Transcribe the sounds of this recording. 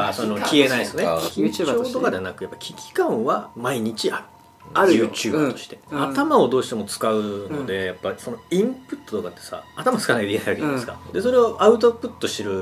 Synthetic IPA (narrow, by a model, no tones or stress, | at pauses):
asonokʲʰie̞naisnekoːt̪o̞kad̪e̞anakɯ̟japːḁkʲikʲi̥kãɰ̃βamaiɲ̟it͡ɕiaɾɯ | jɯːt͡ɕɨːbat̪o̥ɕi̥t̪e̞at̪amao̞d̪o̞ːɕit̪e̞mo̞t͡sɨ̥kaɯ̟no̞d̪e̞japːaiso̞no̞ĩmpɯ̟t̪ːot̪o̞kat̪ːe̞̥sa̰ːt̪amat͡sɨ̥kanakeinajβakeañesɨkad̪e̞so̞ɾe̞oʔaɯ̟t̪̬opːɯ̟t̪ːo̞ɕiɾɯ̟